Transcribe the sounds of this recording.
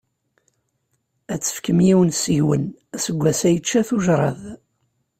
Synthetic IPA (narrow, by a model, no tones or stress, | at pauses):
æt͡sːə̥fkəmjiwənsəʝwən | səɡʷːæsæjət͡ʃːæθuʒɾˤɑ̰ð